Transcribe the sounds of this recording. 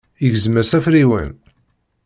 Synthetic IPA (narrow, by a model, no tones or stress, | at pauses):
iʝzmæsæfɾiwə̰n